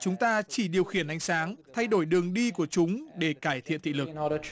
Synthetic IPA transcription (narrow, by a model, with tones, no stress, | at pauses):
t͡ɕʊ˨˦ŋ͡mt̪aː˧t͡ɕi˧˩ɗi˨˩əwxi˧˩ənʔa˧jŋ̟saː˨˦ŋt̪ʰa˧jɗo˧˩jɗɨ˨˩əŋɗi˧ku˧˩ət͡ɕʊ˨˦ŋ͡mɗe˧˩kaː˧˩jt̪ʰḭ˧˨ənt̪ʰḭ˧˨lɨ˨knɔɾə